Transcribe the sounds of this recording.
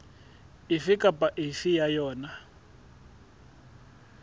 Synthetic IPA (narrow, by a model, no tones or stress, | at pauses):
ifikʼapʼaʔifijajɔːna